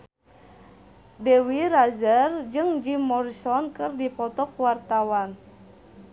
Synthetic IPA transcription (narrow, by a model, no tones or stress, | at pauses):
dɛwiɾazərd͡ʒɨŋd͡ʒimɔɾisɔnkɨrdipɔt̪ɔkuwart̪awan